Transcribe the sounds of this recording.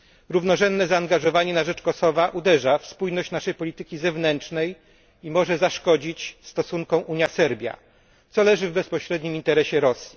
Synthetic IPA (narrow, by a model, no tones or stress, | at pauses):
ɾuvnɔʐɛnd̪ːɛzaːŋɡaʐɔvaɲɛnaʐɛt͡ʂkɔsɔvaʔud̪ɛʐafspujnɔɕt͡ɕnaʂɛjpɔlʲit̪ɘkʲizɛvnɛnt͡ʂnɛj | imɔʐɛzaʂkɔd͡ʑit͡ɕst̪ɔsuŋkɔ̃w̃ʔuɲjasɛɾbʲja̰ | t̪sɔlɛʐɘvbɛspɔɕɾɛd̪ɲimint̪ɛɾɛɕɛɾɔsʲji